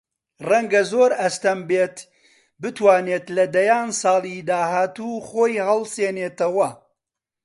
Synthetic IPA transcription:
rɐŋɡɐzoːɾɐst̪ɐmbeːt̪ | bɨt̪waːneːt̪lɐd̪ɐjaːnsɑːlˠid̪aːhaːt̪uːχoːjhɐlˠseːneːt̪ɐwɐ

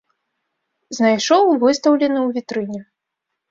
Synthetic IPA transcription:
znajʂɔwvɨst̪ɐwlʲɛnɨwvʲit̪ɾɨnʲɛ

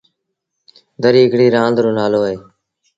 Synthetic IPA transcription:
d̪əɾiːɪkɽiːɾãːnd̪ɾõːnaːloːeː

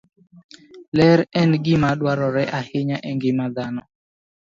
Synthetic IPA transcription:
lɛɾɛnɡɪmaɗwaɾɔɾɛʔahɪɲaʔɛŋɡɪmad̪anɔ

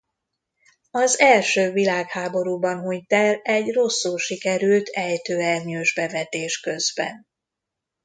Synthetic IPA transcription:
ɒzɛlʃøːvilaːkhaːbo̞ɾuːbɒnɦoɲt̪ɛlɛɟro̞sːulʃikɛɾylt̪ʰɛjt̪øːɛrɲøːʒbɛvɛt̪eːʃkø̞zbɛ̰n

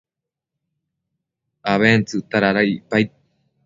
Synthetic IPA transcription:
aβent͡sɨt̪aɾaɾaipaj

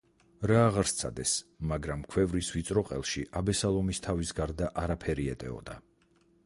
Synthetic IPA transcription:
ɾaːʁaɾst̪sʰa̰d̪ɛsmaɡɾamkʰwɛvɾisvit̪sʼɾɔqʼɛ̰lˠʃiʔabɛsalˠɔmist̪ʰavisɡaɾd̪aʔaɾapʰɛɾiɛt̪ʼɛ̰ɔ̰d̪a

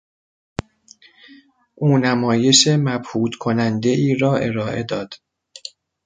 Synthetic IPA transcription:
ʔuːnæmɒːje̞ʃemæbhuːd̪̥kʰo̞nænd̪e̞ʔiːɾɒːʔe̞̰ɾɒːʔe̞d̪ɒːd̪̥

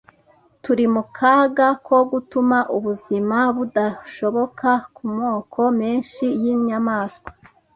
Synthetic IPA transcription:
tuɾimukʰaɡakwo̞ɡutumaʔuβuzimaβudaʃo̞βo̞kʰakumo̞ːkʰo̞meːnʃijiɲamaːskwḁ

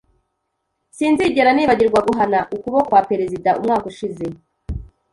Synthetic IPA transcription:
siːnziːɟe̞ɾaniːβaɟiɾɡwaɡuɦanaʔukuβokwape̞ɾezidaumŋaːkuʃize̞

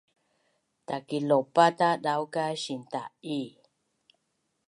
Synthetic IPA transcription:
t̪akilopat̪aɗawkaʃint̪a̰ʔi

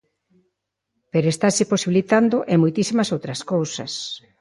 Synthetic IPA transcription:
peɾoest̪aseposiβilit̪and̪ʊʔemojt̪isimɐsowt̪ɾɐskowsɐ̰s

